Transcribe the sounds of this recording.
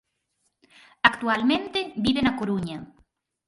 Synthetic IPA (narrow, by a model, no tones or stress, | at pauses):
akt̪ualmẽnt̪ebiβenakoɾuɲa